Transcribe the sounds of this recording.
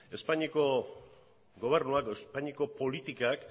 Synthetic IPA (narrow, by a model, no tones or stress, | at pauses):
e̞spaɲiko̞ | ɡo̞β̞e̞ɾnuakespaɲiko̞po̞lit̪ikak